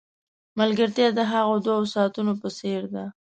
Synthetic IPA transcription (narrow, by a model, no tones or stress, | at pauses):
malɡəɾt̪jɑd̪əɦaɣod̪waosɑt̪unopəseɾd̪a